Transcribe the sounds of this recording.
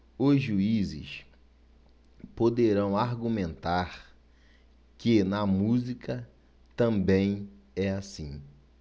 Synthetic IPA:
ʊzʒuizɪ̰ʃ | pod̪eɾɐ̃w̃aɾɡũmẽnt̪aɾ | kɪnɐmuzikʰɐ | t̪ɐ̃mbẽj̃ | ɛasĩ

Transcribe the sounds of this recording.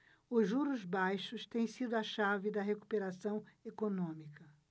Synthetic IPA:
ʊʒuɾʊzbajʃʊst̪ẽj̃sid̪ʊɐʃavɪd̪ɐɦeku̥peɾasɐ̃w̃ekonõmikɐ

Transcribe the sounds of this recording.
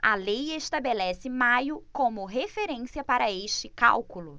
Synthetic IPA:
ɐlejeʃt̪abelɛsɪmajʊkõmʊɦefeɾẽsiɐpaɾɐeʃt͡ʃɪka̰wkulʊ

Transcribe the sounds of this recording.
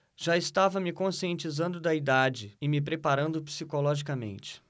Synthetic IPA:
ʒ̥aɪst̪avɐmɪkõsiẽnt͡ʃizɐ̃nd̪ʊd̪ɐid̪ad͡ʒɪɪmɪpɾepaɾɐ̃nd̪ʊpi̥sikolɔʒikɐmḛ̃nt͡ʃɪ̥

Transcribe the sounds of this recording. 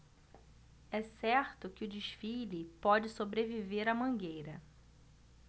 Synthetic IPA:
ɛsɛɾt̪ʊkɪʊd͡ʒiʃfilipɔd͡ʒɪsobɾeviveɾɐmɐ̃ɡejɾɐ

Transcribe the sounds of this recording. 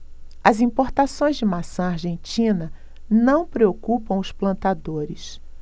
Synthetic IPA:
ɐzĩpoɾt̪asõj̃zd͡ʒɪmasɐ̃aɾʒẽnt͡ʃĩnɐ | nɐ̃w̃pɾeokupɐ̃w̃ʊsplɐ̃nt̪ad̪oɾɪs

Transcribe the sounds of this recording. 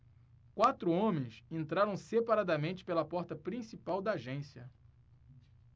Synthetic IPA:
kwat̪ɾʊõmẽj̃sẽnt̪ɾaɾɐ̃w̃sepaɾad̪ɐmẽnt͡ʃɪ̥pelɐpɔɾt̪ɐpɾĩsipawd̪ɐːʒẽsiɐ

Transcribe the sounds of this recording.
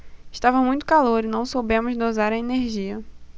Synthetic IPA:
ɪʃt̪avɐmũj̃t̪ʊ̥kaloɾinɐ̃w̃sowbẽmʊzd̪ozaɾɐeneɾʒiɐ

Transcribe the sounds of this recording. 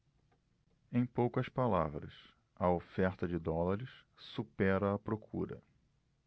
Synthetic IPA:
ẽj̃powkɐspala̰vɾɐ̰s | ɐofɛɾt̪ɐd͡ʒɪd̪ɔlaɾɪs | supɛɾɐːpɾokʰuɾɐ̰

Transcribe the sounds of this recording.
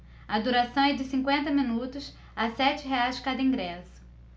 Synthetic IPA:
ɐd̪uɾasɐ̃w̃ɛd͡ʒɪsĩŋkwẽnt̪ɐmĩnut̪ʊs | asɛt͡ʃɪɦeajzd͡ʒkad̪ɐĩɡɾɛsʊ̥

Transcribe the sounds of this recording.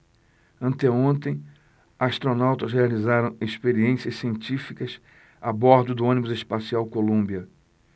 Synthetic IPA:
ɐ̃nt̪ɛõnt̪ẽj̃ | ast̪ɾonawt̪ɐsɦealizaɾɐ̃w̃eʃpeɾiẽsiɐssiẽnt͡ʃifikɐs | abɔɾd̪ʊd̪ʊõnibʊzeʃpasiawkolũmbiɐ

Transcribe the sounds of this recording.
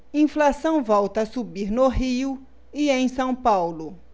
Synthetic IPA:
ĩflasɐ̃w̃vɔwt̪ɐsubiɾnoɦiʊ | ɪẽj̃sɐ̃w̃pawlʊ

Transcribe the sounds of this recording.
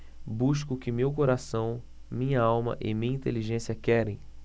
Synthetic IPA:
buʃ̬kʊkɪmewkoɾasɐ̃w̃ | mĩɲɐawmɐ̰ʔɪ̰mĩɲɐĩnt̪eliʒẽsiɐkɛɾẽj̃

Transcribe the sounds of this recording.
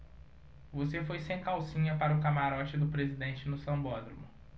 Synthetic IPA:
vosefojsẽj̃kawsĩɲɐpaɾɐʊkamaɾɔt͡ʃɪd̪ʊpɾezid̪ẽnt͡ʃɪnʊsɐ̃bɔd̪ɾomʊ

